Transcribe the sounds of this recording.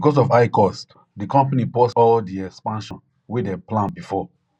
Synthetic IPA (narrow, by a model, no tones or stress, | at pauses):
bikɔsɔfaɪkɔst | dikɔ̃mpanipɔsɔldiɛkspãnʃɔ̃n | wedɛplãnbifɔ